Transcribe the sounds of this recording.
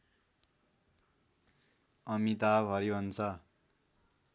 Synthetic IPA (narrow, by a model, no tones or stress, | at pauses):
ʌmit̪abɦʌɾibʱʌnt͡sʰʌ